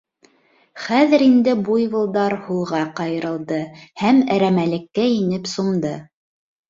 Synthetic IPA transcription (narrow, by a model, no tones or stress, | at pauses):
χæðɘ̆ɾind̪ɘbujβɤ̆lˠd̪ɑɾhulˠʁɑqɑjɤ̆ɾɤ̆lˠd̪ɤhæmæɾæmælɘ̆kːæinɘpsumd̪ɤ